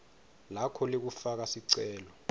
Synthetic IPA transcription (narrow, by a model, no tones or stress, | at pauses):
lakʰɔlek̬ufak̬asiǀɛːlɔ